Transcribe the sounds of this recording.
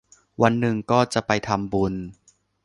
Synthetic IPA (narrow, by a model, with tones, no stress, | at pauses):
wa˧nːɯ˨˩ŋkɔː˥˩t͡ɕa˨˩ʔpa˧jt̪ʰa˧mbu˧n